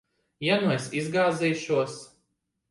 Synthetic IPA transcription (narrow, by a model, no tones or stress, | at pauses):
ɛnujsizɡaːziːʃuɔs